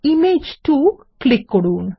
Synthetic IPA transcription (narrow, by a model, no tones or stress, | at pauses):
imed͡ʒʈu | klɪkːoɽuːn